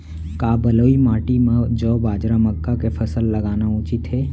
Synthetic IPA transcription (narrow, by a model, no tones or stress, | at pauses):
kaːbɐloːimaːʈimẽd͡ʒɔːbaːd͡ʒɾaməkːakepʰɐsəlːɐɡaːnaũːt͡ʃit̪ɦeː